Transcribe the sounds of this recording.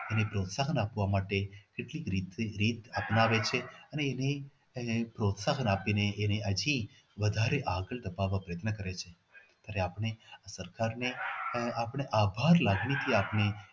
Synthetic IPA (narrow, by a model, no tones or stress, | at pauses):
enepɾot̪saɦənapʋamaʈekeʈlikɾit̪eɾit̪apnaʋet͡ʃʰeəneːne | pɾot̪saɦənapineʔːneʔəd͡ʒʱĩ | ʋəd̪ʱaɾeʔaɡəɭd̪əpaʋapɾəjət̪nəkəɾet͡ʃʰe | t̪jaɾeapɳ̃easəɾkaɾneapəɳ̃eʔabʱaɾlaɡnit̪ʰiapɳe